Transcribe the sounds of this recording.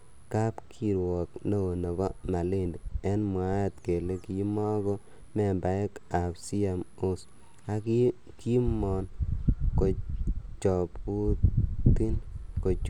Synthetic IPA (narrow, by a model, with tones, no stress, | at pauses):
ka˦pkʰi˨ɾwɔ˨kno˦o˨nɔ˨bɔ˦ma˨lɪ˦ndi˨ɛ˦nmwa˨˦˨t̪ke˨le˦ki˨˦mɔ˦ɡɔ˦ | mɛ˨mba˨˦e˦ka˨psi˦a˨mo˦s | a˦k | ki˦mɔ˨nko˨t͡ʃɔ˨pu˦ti˦nko˨t͡ʃ